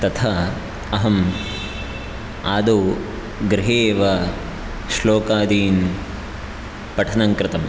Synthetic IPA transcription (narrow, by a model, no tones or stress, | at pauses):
t̪ɐt̪ʰɐ | ɐɦɐm | aːd̪o | ɡɾɪɦeːʋɐ | ʃloːkaːd̪iːn | pɐʈʰɐnɐŋkɾɪt̪ɐm